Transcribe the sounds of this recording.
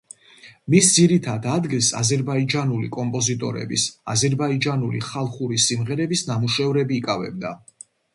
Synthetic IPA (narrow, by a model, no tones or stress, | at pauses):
misd̪ziɾit̪ʰad̪ad̪ɡilˠsa̰zɛɾbaid͡ʒanulḭkʼɔmpʼɔzit̪ʼɔ̰ɾɛ̰bḭsa̰zɛɾbaid͡ʒanulḭχalˠχuɾisimʁɛɾɛbisnamuʃɛvɾɛbiːkʼavɛ̰b̚d̪a